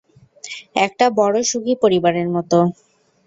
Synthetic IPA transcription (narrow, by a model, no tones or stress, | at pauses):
ɛk̚ʈabɔɽoʃuɡʱipoɾibaɾeɾmɔt̪o